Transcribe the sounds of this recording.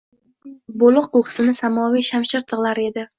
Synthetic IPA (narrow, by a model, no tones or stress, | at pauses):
bolˠɨq̚ːoχʰɨ̥sɪnɪsamɒwijʃamʃɪɾt̪ʰɨʁlˠaɾe̞d̪ɪ